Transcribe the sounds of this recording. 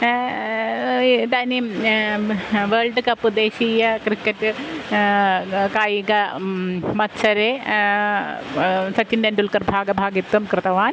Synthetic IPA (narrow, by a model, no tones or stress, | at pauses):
t̪aːni | ʋeːɭɖɨkɐpːɨd̪eːɕiːjɐkɾikːɐʈːɨ | kaːjiɡɐ | mɐt̪ːsɐɾe | sɐtːindendulkɐrbʱaːɡɐbʱaːɡit̪wɐmkɾɨt̪ɐʋaːn